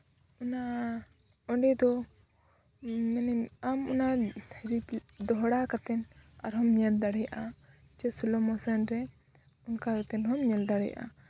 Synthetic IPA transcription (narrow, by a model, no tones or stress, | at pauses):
una | ɔɳɖɛd̪ɔ | mɛnɛmamunaɾid̪ɔɦɽakat̪ɛnaɾɦɔmɲɛld̪aɽɛjaʔat͡ʃɛsulɔmɔsanɾɛ | ɔnkakat̪ɛnɔmɲɛld̪aɽɛja̰ʔa̰